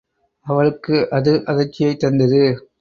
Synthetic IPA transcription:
ɐʋɐɭɯkːɯʔɐðɯʔɐðɐt͡ʃːɪjɐɪt̪ːɐnd̪ɐðɯ

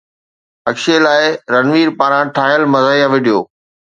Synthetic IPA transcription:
ɐkʃelaːɪɾɐnʋiːɾpaːɾãʈʰaːɦjəlmɐzaːiaʋeɗijoː

